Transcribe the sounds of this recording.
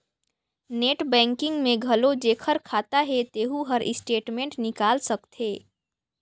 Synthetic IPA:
neʈbɛ̃ŋkɪŋɡmẽɡʱəlod͡ʒekʰəɾkʰat̪aɦet̪eɦuɦəɾʔisʈeʈmẽɳʈnikalsəkt̪ʰe

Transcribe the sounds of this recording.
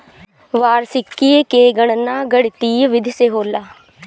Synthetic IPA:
ʋaːɾsɪkːiekeːɡəɳ̃naːɡəɽt̪iːʋɪd̪ʱseɦoːlaː

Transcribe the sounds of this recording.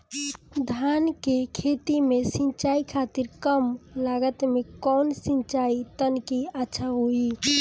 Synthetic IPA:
d̪ʱankekʰet̪imesĩnt͡ʃaikʰat̪iɾkəmlaɡət̪mekɔːnsĩnt͡ʃait̪ənkiətːʃʰaɦoi

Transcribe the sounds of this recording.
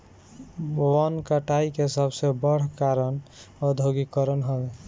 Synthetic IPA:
wənkəʈaikesəbsebəɽ̤kaɾənɔd̪ʱoɡikəɾənɦəbe

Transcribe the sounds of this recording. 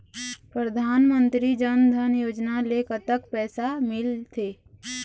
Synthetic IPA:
pɾəd̪ʱaːnmə̃nt̪ɾid͡ʒənd̪ʱənjoːd͡ʒnalekət̪əkpɛːsamɪlt̪ʰeː

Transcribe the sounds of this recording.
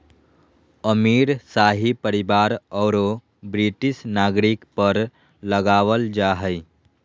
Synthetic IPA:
əmiːɾsaɦipəɾibaɾɔːɾo | bɾiʈisnaɡɾikpəɾ | ləɡaʋəld͡ʒaɦəɪ

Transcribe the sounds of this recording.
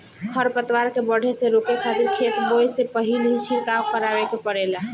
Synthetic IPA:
kʰəɾpət̪waɾkebəɽ̤ʱeseɾupekʰat̪iɾkʰet̪bojsepəɦilɦit͡ʃʰiɾkakkəɾaʋekepəɽela

